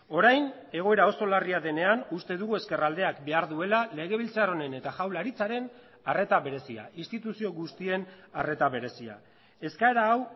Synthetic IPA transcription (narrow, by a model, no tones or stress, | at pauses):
o̞ɾajn | e̞ɣ̞o̞e̞ɾao̞so̞lariaðe̞ne̞anust̪e̞ðuɣue̞ske̞rald̪e̞akbe̞aɾðue̞lale̞ɣ̞e̞β̞ilt͡saro̞ne̞ne̞t̪aʝawlaɾit͡saɾe̞n | are̞t̪aβe̞ɾe̞sia̰inst̪it̪usio̞ɣust̪ie̞nare̞t̪aβe̞ɾe̞sia̰ | e̞skaeɾaːw